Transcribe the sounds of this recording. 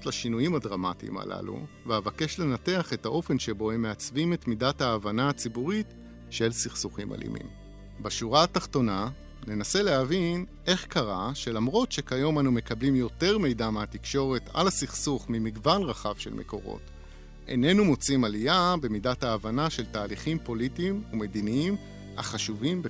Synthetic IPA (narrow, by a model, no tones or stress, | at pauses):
tlaʃinujimadʁamatḭma̰la̰lṵvehavake̞ʃle̞nate̞aχe̞taʔo̞fe̞nʃebo̞hemːeat͡svime̞tmidathaːvanaːt͡sibuʁit | ʃe̞lsiχsuχima̰lḭmḭm | baʃuʁaːtaχto̞na | ne̞nase̞le̞ɦavinʔe̞χkaʁaʃe̞lamʁo̞tʃe̞kajo̞manume̞kablimjo̞te̞ʁme̞jdameatikʃo̞ʁe̞ta̰lasiχsuχmimiɡvanʁaχav̥ʃe̞̰lmʔe̞̰ko̞̰ʁo̰t | ʔḛne̞numo̞t͡simalijabe̞midathaːvanaʃe̞ltaːliχimpo̞litimume̞d̪iniim | ha̰χaʃuvimbe